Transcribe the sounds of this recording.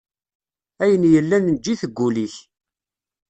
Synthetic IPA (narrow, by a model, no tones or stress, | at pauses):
æjənjəlːænnd͡ʒːiθəɡʷːuliç